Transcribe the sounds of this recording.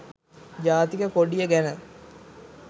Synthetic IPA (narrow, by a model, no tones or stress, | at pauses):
d͡ʒaːt̪ikəkoɖijəɡænə